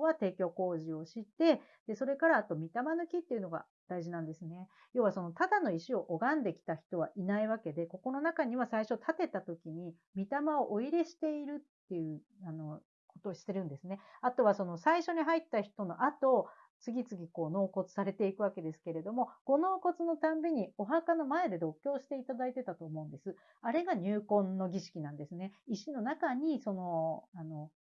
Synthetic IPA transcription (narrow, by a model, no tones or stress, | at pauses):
βat̪e̞ːkʲo̞ːko̞ːʑio̞ɕit̪ːe̞ | d̪̥e̞so̞ɾe̞kaɾaːt̪o̞mʲit̪amanɯ̟kʲit̪ːe̞iɯ̟no̞ɡa̰ | d̪̥aiʑinãnd̪e̞sɨne̞ | jo̞ːβaso̞no̞t̪ad̪ano̞iɕio̞ʔoɡãnd̪e̞kʲi̥t̪açi̥t̪o̞βaʔinaiβake̞d̪e̞ko̞ko̞no̞nakaɲ̟iβasaiɕo̞t̪ʰat̪e̞t̪at̪o̞kʲiɲ̟i | mʲit̪amao̞ʔoiɾe̞ɕi̥t̪e̞iɾɯ̟t̪ːe̞jɯ̟ | ano̞ | ko̞t̪o̞ːɕi̥t̪e̞ɾɯ̟̃nd̪e̞sɨne̞at̪o̞βaso̞no̞saiɕo̞ɲ̟iɦait̪ːaçi̥t̪o̞no̞ʔat̪o̞ | t͡sɨɡʲit͡sɨɡʲiko̞ːno̞ːko̞t͡sɨ̥saɾe̞t̪e̞ikɯβake̞d̪e̞sɨ̥ke̞ɾe̞d̪o̞mo̞ɡ̥o̞no̞ːko̞t͡sɨno̞t̪ãmbʲiɲ̟io̞ɦakano̞mae̞d̪e̞d̪o̞kʲːo̞ːɕi̥t̪e̞it̪ad̪ait̪e̞t̪at̪o̞ːmo̞ɯ̟̃nd̪e̞sɨ | aɾe̞ɡaɲ̟ɨːkõ̞nːo̞ɡʲiɕi̥kʲinãnd̪e̞sɨne̞iɕino̞nakaɲ̟iso̞no̞ano̞